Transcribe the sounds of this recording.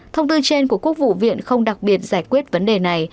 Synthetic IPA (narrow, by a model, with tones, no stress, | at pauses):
t̪ʰə˧wŋ͡mt̪ɨ˧t͡ɕe˧nku˧˩əku˦˥ək̚vṵ˧˨vḭ˧˨ənxə˧wŋ͡mɗa˨˩k̚ɓi˨˩ət̚zaː˧˩jkwi˦˥ət̚və˨˦nɗe˨˩na˨˩j